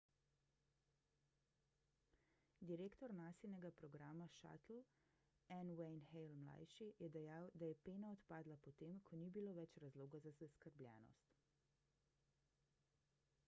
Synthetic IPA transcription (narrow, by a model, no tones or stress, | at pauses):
d̪iɾeːkt̪ɔɾnaːsilnɛɡapɾɔɡɾaːmaʃa̰t̪l̩ | ɛnwɛjnxɛjlmla̰jʃijɛd̪ɛjawd̪ajɛpeːnaɔt̪paːd̪lapɔt̪eːmkʰɔnibiloːʋɛt͡ʃɾazloːɡazazaskəɾblʲjɛ̰ːnɔ̰st̪